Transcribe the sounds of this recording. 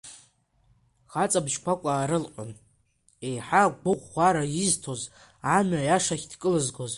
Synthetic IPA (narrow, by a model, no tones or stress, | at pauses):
χat͡sʼabʃkʷʰakʷʼaːɾɨlqʷʼʊn | e̞jħaɡʷʊʁʷaɾaiztʰoz | amajaʂaχʲdkʼɨlɨzɡoz